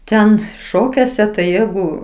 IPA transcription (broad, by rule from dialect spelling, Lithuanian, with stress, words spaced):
ˈtʲɛn ˈʃoːkʲuɔsʲɛ tɐɪ ˈjæːɡʊ